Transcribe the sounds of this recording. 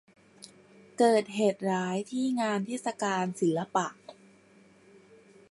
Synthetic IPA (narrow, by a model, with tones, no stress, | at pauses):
kɤː˨˩t̪̚ɦeː˨˩t̪̚ɾaː˦˥jt̪ʰiː˥˩ŋaː˧nt̪ʰe˦˥˩t̪̚sa˧kaː˧nsi˩˦lːa˧pa˨˩ʔ